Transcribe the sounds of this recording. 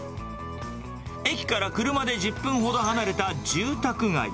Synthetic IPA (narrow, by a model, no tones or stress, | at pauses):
e̞kʲi̥kaɾakɯ̟ɾɯ̟mad̪e̞ʑɨpːɯ̟̃ɰ̃ɦo̞d̪o̞ɦanaɾe̞t̪ad͡ʑɨːt̪akɯ̟ŋa̰ḭ